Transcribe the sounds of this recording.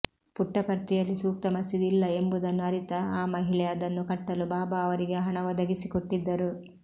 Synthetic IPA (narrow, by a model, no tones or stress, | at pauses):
puʈːɐpɐɾt̪ijɐlːisuːk̚t̪ɐmɐsid̪ilːɐe̞mbud̪ɐnːuɐɾit̪ɐaːmɐɦiɭɛjɐd̪ɐnːukɐʈːɐlubaːbɐːʋɐɾiɡeɦɐɳɐʋɐd̪ɐɡisikoʈːid̪ːɐɾu